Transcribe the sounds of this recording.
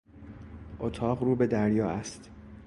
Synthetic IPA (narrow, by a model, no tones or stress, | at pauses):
ʔot̪ʰɒːʁɾuːbe̞d̪æɾjɒːæst̪